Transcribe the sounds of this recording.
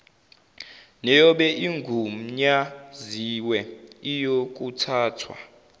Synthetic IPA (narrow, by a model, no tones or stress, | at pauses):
nɛjɔɓɛʔiŋɡʱum̩ɲaziwɛijok̬ʼutʰaːtʰwa̰